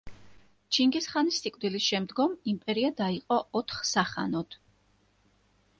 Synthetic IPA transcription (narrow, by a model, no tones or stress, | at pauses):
t͡ʃʰiŋɡisχanisːikʼvd̪ilisʃɛmd̪ɡɔmimpʼɛɾiad̪aiqʼɔʔɔt̪ʰχsaχa̰nɔd̪̥